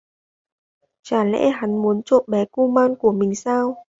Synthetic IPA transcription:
t͡ɕaː˧˩lɛ̰˧˥ɦa˨˦ŋmu˨˦ənt͡ɕo̰˧˨tɓɛ˨˦ku˧maː˧nku˧˩əmï˨˩ŋ̟saː˧w

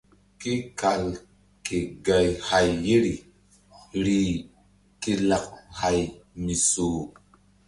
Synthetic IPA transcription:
ki˦ka˨l | ke˨ɡa˨jha˨jːi˦ɾi˨ | ɾi˨ | ki˦la˨k̚ha˨jmi˨so˨

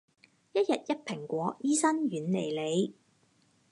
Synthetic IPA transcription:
jɐ˥t̚jɐ˨t̚jɐ˥t̚pʰɪ˨˩ŋkʷɔː˨˧˥jiː˥sɐ˥nɥyː˨˧nle˨˩jle˨˧j

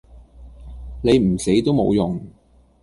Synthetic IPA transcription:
ne˨˧jm̩˨˩se˨˥jt̪o˥wmo˨˧wjʊ˨˩ŋ

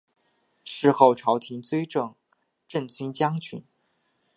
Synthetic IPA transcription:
ʂɻ̩˥˧xo˥˩ʊʈ͡ʂʰɑ˧˥ʊt̪ʰi˧˥nt͡swe˥ɪʈ͡ʂɤ˥˩ŋ | ʈ͡ʂə˥˩nt͡ɕy˥nt͡ɕjɑ˥ŋt͡ɕʰy̰˧˥˦n

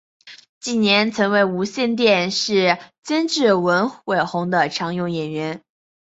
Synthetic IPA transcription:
t͡ɕi˥˩njɛ˧˥nt͡sʰɤ˧˥nwe˥˩ɪu˧˥ɕjɛ˥˧nt̪jɛ˥˧nʂɻ̩˥˩t͡ɕə˥nʈ͡ʂɻ̩˥˩wə˧˥nxwe˨˩ɪxʊ˧˥ŋd̪ə˧ʈ͡ʂʰɑ˧˥ŋjʊ˥˩ŋjɛ˨˩nɥɛ˧˥n

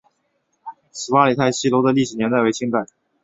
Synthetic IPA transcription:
sʰɹ̩˨˩wa˥li˨˩t̪ʰa˥˩ɪɕi˥˩lo˧˥ʊd̪ə˧li˥˩ʂɻ̩˨˩njɛ˧˥nt͡sa˥˧ɪwe˥ɪt͡ɕʰi˥ŋk̪a˨˩˦

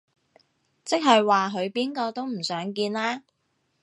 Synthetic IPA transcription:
t͡sɪ˥k̚ɦɐ˨jwaː˨ɦɵ˨˧ɥpiː˥nkɔː˧t̪o˥wm̩˨˩sœː˨˥ŋkiː˧nlaː˥

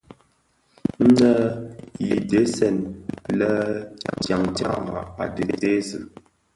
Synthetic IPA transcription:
n̩˦də˦ji˨de˨˦sɛ˨nlə˦tja˨ŋta̰˨ŋ˨a̰˨a̰˨de˨te˦zə˨

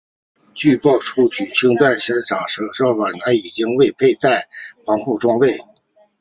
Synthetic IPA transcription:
t͡ɕy˥˧pɑ˥˩ʊʈ͡ʂʰu˥˩t͡ɕʰy˨˩t͡ɕʰi˥ŋt̪wa˥˩nɕɛ˧˥ʈ͡ʂʰɑ˨˩ŋʂɤ˧˥ʈ͡ʂɑ˥˩ʊwa˨˩na˧˥i˨˩t͡ɕi˥ŋwe˥˧ɪpʰe˥˧ɪt̪a˥˩ɪfɑ˧˥ŋxu˥˧ʈ͡ʂwɑ˥ŋwe˥˩ɪ

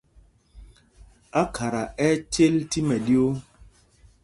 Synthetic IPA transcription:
a˦kʰa˨ɾa˨ɛ˦t͡ʃe˦lti˦mɛ˨ɗi˦o˦

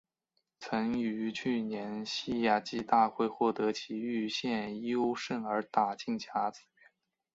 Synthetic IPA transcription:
t͡sʰɤ˧˥ŋy˧˥t͡ɕʰy˥˩njɛ˧˥nɕi˥˧ja˨˩t͡ɕi˥˧t̪a˥˧xwe˥˧ɪxwɔ˥˩t̪ɤ˧˥t͡ɕʰi˧˥y˥˧ɕjɛ˥˧njo˥ʊʂə˥˩ŋə˞˧˥t̪a˨˩t͡ɕi˥˩ŋt͡ɕʰja˧˥t͡sɹ̩˨˥˩ɛ˧˥˦n

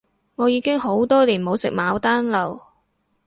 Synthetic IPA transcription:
ŋɔː˨˧jiː˨˧kɪ˥ŋɦo˨˥wt̪ɔː˥liː˨˩nmo˨˧wsɪ̰˨k̚maː˨˧wt̪aː˥nlɐ˨˩w

